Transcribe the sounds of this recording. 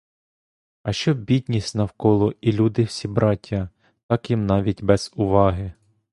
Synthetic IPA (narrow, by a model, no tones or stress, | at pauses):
ɐʃt͡ʃɔbʲid̪ʲnʲisʲnɐwkɔlˠɔilʲud̪ɪwsʲibɾɑtʲːɐ | t̪ɑkjimnɑʋʲitʲbɛz̥ʊʋɑɦɪ